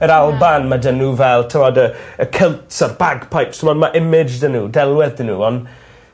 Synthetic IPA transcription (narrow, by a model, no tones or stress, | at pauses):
əɾalˠbanmadənuvɛlˠtʰɪwɔdəəkʰɪlˠtsarbaɡpʰajpsmɔnmaʔɪmɪd͡ʒdənuːdɛlˠwɛðənuːɔn